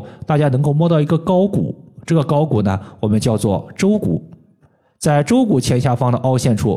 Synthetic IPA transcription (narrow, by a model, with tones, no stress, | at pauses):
t̪a˥˩t͡ɕja˥nɤ˧˥ŋko˥˧ʊmwɔ˥˧t̪ɑ˥˩ʊi˧˥ɡə˧kɑ˥ʊkṵ˨˩˦ʈ͡ʂɤ˥˩ɡə˩kɑ˥ʊku˨˩nə˦wɔ˨˩mə˦nt͡ɕjɑ˥˧ʊt͡swɔ˥˩ʈ͡ʂo˥ʊkṵ˨˩˦ | t͡sa˥˩ɪʈ͡ʂo˥ʊku˨˩t͡ɕʰjɛ˧˥nɕja˥˩fɑ˥ŋd̪ə˨ʔɑ˥ʊɕjɛ˥˩nʈ͡ʂʰṵ˥